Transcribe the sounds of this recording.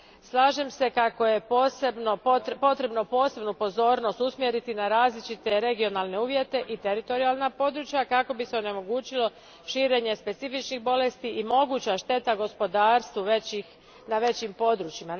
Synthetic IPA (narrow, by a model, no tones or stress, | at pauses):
slˠaːʒe̞mse̞kako̞je̞posebnot̪po̞t̪ɾe̞bno̞po̞ːse̞bnupo̞zo̞ːɾno̞st̪usmjeɾit̪inaɾaːzlit͡ʃit̪e̞ɾe̞ɡio̞naːlˠne̞uːʋje̞t̪e̞ʔit̪e̞ɾit̪o̞ɾialˠnapo̞d̪ɾut͡ʃjakako̞bise̞o̞ne̞mo̞ɡuːt͡ɕilo̞ | ʃiːɾe̞ːɲe̞spe̞t̪sifit͡ʃnixbo̞le̞st̪iʔimo̞ɡut͡ɕaʃt̪e̞t̪aɡo̞spo̞d̪aːɾst̪ʋuʋei | naʋe̞t͡ɕimpo̞d̪ɾut͡ɕima